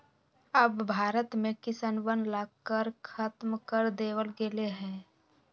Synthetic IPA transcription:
əbːʱaːɾət̪mẽkɪsənʋənlaːɡkːəɾkʰat̪mkəɾd̪eːwəlɡeleɦɛ̃ː

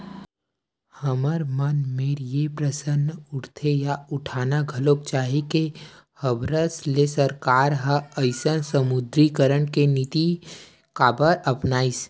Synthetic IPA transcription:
həməɾmənmeːɾjepɾəsənːʊɾt̪ʰejaʊʈʰaːnaɡʱɐlok̚t͡ʃaːɦike | həbɾəslesəɾkaːɾɦəəɪsənsəmʊd̪ɾikəɾəɳkenit̪i | kaːbəɾɐpnaːis

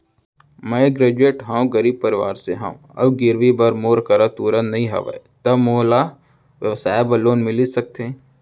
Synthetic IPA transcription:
mə̃ɡɾeːd͡ʒueːʈɦãːũɡəɾiːb̚pɐɾɪʋa̰ːɾseɦã̰ṵ̃ɐ̰bɡɪɾʋibɐɾmoːɾkɐɾat̪uːɾənːɐɦĩɦɐ̰ʋḛt̪ɐmoːla | ʋjəʋsaːebɐlːoːnmɪlisɐk̚t̪ẽ

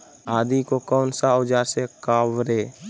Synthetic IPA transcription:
aːd̪ikokɔːnsaʊd͡ʒaːɾsekaːwɾeː

